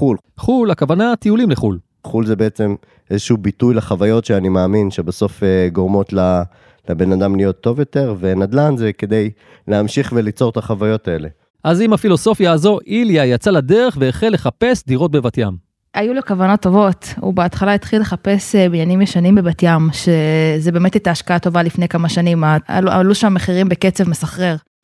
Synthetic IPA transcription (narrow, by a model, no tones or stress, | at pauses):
ul | χulakavanat̪ijulimleχul | χulzebeet͡se̞m | ʔezeʃuubitujleχavajo̞tʃeanimaːminʃebaso̞feɡoʁmo̞t̪la | lebe̞nad̪amlijo̞t̪ːo̞vjo̞t̪e̞ʁvenad̪lanzeked̪ej | leamʃiχvelit͡so̞ʁt̪aχavajo̞t̪ae̞le̞ | ʔazimafilo̞so̞fjaːzo̞ʔiljajat͡saladeʁe̞χveeχelːe̞χape̞sd̪iʁo̞t̚bevatjam | ʔajulokavano̞tːo̞vo̞tṵbeatχalait̪χile̞χape̞sbinjanimjeʃanimbevatjamʃezebe̞me̞tit̪aːʃkaato̞valifne̞jkamaʃanimaa̰lua̰luʃaamːeχiʁimbeke̞t͡se̞vme̞saχʁe̞ʁ